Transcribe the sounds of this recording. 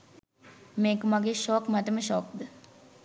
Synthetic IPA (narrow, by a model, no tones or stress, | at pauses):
meːkəmaɡeːʃɔːkmɐt̪əməʃɔːk̚d̪ə